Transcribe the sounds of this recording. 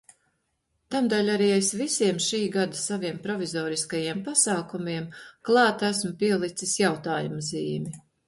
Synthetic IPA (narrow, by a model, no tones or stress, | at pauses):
t̪amd̪alʲaɾiːajsvisiɛmʃiːɡad̪ɐsaviɛmpɾɔvizɔːɾiskajiɛmpasɑːkumiɛmklˠɑːt̪æsmʊpiɛlˠit̪sisjawt̪aːjumaziːmi